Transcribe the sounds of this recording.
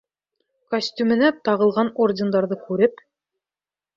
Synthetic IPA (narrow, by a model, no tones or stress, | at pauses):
kosʲtʲymɘ̆næt̪ɑʁɤ̆lˠʁɑnordʲɪnd̪ɑɾðɤkʉɾɘp